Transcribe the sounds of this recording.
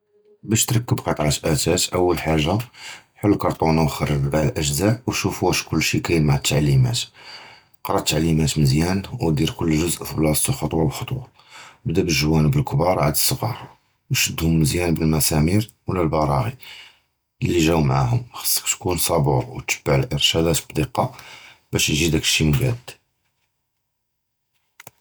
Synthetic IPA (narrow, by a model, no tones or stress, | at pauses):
bæʃt̪ɾɑkːəbqɑt̪ˤʕət̪ʔæt̪æt̪ʔəwːəlħaʒːaħʊlːkɑɾˤt̪ˤunawxɑrːədbalʔəʒzaʔwʃufuʃkʊlːʃikæjəlmʕat̪ʰːaʕlːimæ̰t̪ | qɾˤɑt̪ːaʕlːimæt̪məzjænwd̪iɾkʊlːʒʊzʔblɑsˤt̪uxɑt̪ˤwɑbxɑt̪ˤwɑ | bd̪æbəlʒwænəbəlkbɑɾˤʕad̪əsˤːəɣɑ̰ɾˤɑ | wʃəd̪ːhʊmməzjænbəlmæsæmiɾ | wlːælbɑɾˤɑɣi | llːiʒæwmaʕa̰ɦʊ̰mxə̥sˤːə̥kt̪kunsˤɑbuɾwt̪ːə̥bːaʕəlʔəɾʃæd̪æt̪bd̪iqɑb̥æʃjʒid̪ækʃimɡæd̪